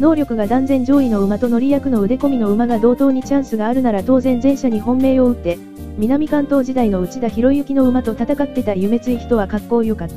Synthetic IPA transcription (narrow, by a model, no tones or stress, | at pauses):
no̞ːɾʲo̞kɯ̟ɡad̪ãnd͡zẽ̞ɲ̟d͡ʑo̞ːino̞ɯ̟mat̪o̞no̞ɾʲijakɯ̟no̞ɯ̟d̪e̞ko̞mʲino̞ɯ̟maɡad̪o̞ːt̪o̞ːɲ̟it͡ɕãɰ̃sɨɡaːɾɯ̟naɾat̪o̞ːzẽ̞nd͡zẽ̞ɰ̃ɕaɲ̟iɦõ̞mːe̞ːo̞ɯ̟t̪ːe̞ | mʲinamʲikãnt̪o̞ːʑid̪aino̞ɯ̟t͡ɕid̪açiɾo̞iɯ̟kʲino̞ɯ̟mat̪o̞t̪at̪akat̪ːe̞t̪aijɯ̟me̞t͡sɨiçi̥t̪o̞βakakːo̞ːjo̞kat̪ːa